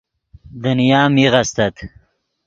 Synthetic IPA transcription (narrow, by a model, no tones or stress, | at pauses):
d̪ənijaːmiʁast̪ɐt̪